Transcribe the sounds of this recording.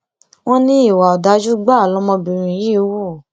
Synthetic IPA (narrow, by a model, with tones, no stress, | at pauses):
w̃ɔ̃˦nĩ˦i˦˨wa˨ɔ˨da˧˦d͡ʒu˦ɡ͡ba˦˨lɔ˦mɔ̃˧bi˧˨ɾ̃ĩ˧˨ji˦wo˦˨